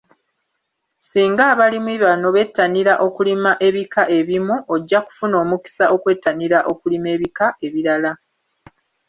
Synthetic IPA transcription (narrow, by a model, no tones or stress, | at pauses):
siːŋɡaːβalimwiβano̞βe̞tːaniɾaʔo̞kulimaʔe̞βikaʔe̞βimuʔoɟːaku̥funo̞ːmuki̥saʔo̞kwe̞tːaniɾaʔo̞kulime̞ːβikae̞βiɾala